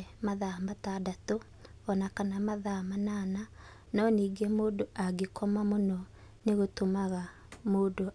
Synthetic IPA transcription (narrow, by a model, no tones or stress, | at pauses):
maðamataːdato | ɔnakanamaðamanana | nɔniːɡɛmoːdoʔaɡekʰɔmamonɔ | neɣotomaɣa | moːdo